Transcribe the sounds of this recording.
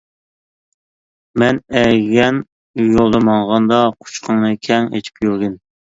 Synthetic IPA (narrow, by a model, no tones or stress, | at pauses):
mɛnɛɡʲɛn | jolˠd̪ɑmɑŋʁɑnd̪ɑqʰu̥t͡ʃqʰəŋnɨkʲʰɛŋet͡ʃ̪ʰi̥pjyɾɡʲɪn